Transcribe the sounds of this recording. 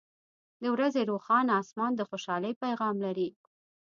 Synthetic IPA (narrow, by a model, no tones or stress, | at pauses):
d̪əwɾazeɾoxɑnɑsmɑnd̪əxoʃɑləjpajɣɑmlaɾi